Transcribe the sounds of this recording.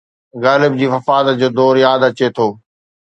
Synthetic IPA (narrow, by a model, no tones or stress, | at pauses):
ɣaːlɪb̚d͡ʑiːfɐfaːd̪əd͡ʑoːd̪ɔːɾjaːd̪ɐt͡ɕet̪ʰoː